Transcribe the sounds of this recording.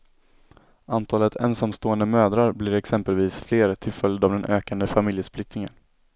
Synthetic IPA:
ant̪ʰɑːlət̪ʰɛ̰nsamst̪oːɛnd̪əmøːd̪ɾaɾblɪɾɛksɛmpəlviːsfleːɾt̪ʰɪlfœljəd̪avd̪ɛnʔøːkand̪əfamɪljəsplɪk̚t̪ɪŋə̰n

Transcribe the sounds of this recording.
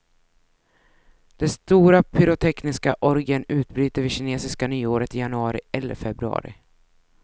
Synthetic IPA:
d̪̥ɛst̪uːɾapʰʏɾʊt̪ʰɛknɪskaʔɔɾɡənʉ̟ːt̪̚bɾyːt̪əɾvɪɕɪneːsɪskanyːoːɾət̪ɪjanɵɑːɾɪ̰ɛlːə̰ɾfɛbɾɵɑ̰ːɾɪ̰

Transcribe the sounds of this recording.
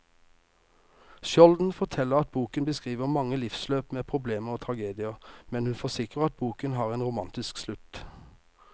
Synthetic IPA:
ʃɔld̪n̩fɔʁt̪ʰɛləʁɑt̪̚buːkənbəskʁiːʋəʁmɑŋːəlɪfsløːpmeːpʰʁʊbleːməʁoːt̪ʰʁɑɡeːd̪ɪəʁmɛnhʉnfɔsɪkʁəʁɑt̪̚buːkənɦɑːʁeːnʁʊmɑnt̪ɪskslʉt̪

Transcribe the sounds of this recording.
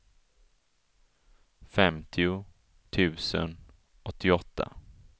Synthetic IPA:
fɛmt̪ʰɪʊ | t̪ʰʉ̟ːsə̰n | ʔɔt̪ʰːɪɔt̪ʰːa̰

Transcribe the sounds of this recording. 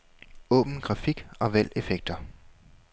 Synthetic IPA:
ɔ̰̽ːb̥n̩ɡ̥ʁɑ̈fiɡ̥ɒ̽ʋæl̰efeɡ̥̚d̥ɐ

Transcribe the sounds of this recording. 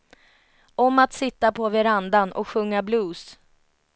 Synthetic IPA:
ɔmat̪sɪt̪ːapʰɔvɛɾand̪anɔ̰kɧɵŋːabluːs

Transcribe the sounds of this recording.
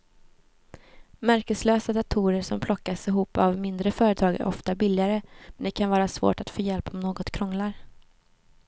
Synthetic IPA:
mæɾkəsløːsad̪at̪ʰuːɾəɾʂɔmpʰlɔkːasɪɦuːpːavmɪnd̪ɾəfœːɾət̪ʰɑːɡæ̰ɾʔɔ̰ft̪abɪlːɪaɾəmɛnd̪ɛkʰanvɑːɾasvo̰ːʈat̪foːjɛlpɔmnoːɡɔt̪kʰɾɔŋlaɾ

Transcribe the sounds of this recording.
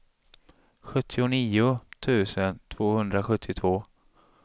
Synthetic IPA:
ɧɵt̪ʰːɪʊniːʊt̪ʰʉ̟ːsənt̪ʰv̥oːhɵnd̪ɾaɧɵt̪ʰːɪt̪ʰvoː

